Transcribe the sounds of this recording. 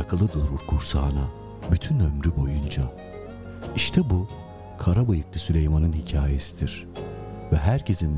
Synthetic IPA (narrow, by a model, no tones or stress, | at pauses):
akʰalˠɯd̪uɾuɾkʰuɾsaːna | byt̪ʰynø̞mɾybo̞jund͡ʒa | iʃt̪ʰɛbu | kʰaɾabajɯklʲˠisylʲejmanɯnhicʰaːje̞sid̪̥iɾ̥ | vɛɦæɾcʰe̞zin